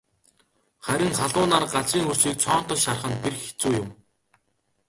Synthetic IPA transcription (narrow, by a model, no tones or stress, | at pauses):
χæɾʲɪ̆ŋχaɮʊːnaːrɢat͡sriːŋxɵr̥t͡ɕiːk̚t͡sʰɔːn̥t̪ɞ̆ʃarχə̆nperxe̥t͡suːjʊm